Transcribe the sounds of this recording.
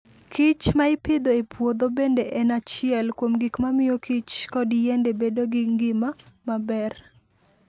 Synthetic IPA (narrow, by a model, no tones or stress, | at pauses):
kʰɪt͡ʃmaɪpɪd̪oepwod̪obendeʔɛnat͡ʃɪɛlkwomɡikmamɪjokit͡ʃkɔdjɛndebedoɡɪŋɡɪmamabɛr